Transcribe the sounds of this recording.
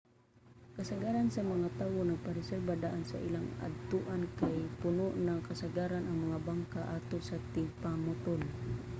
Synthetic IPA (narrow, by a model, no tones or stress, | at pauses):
kasaɡaɾansamɐŋat̪aːwonaɡ̚paɾɪsɛrbad̪aʔansa̰ʔḭlaŋa̰d̪̚t̪uʔankajpʊnoʔnaŋkasaɡaɾanɐŋmɐŋabaŋkaʔat̪osat̪ɪpamʊt̪ol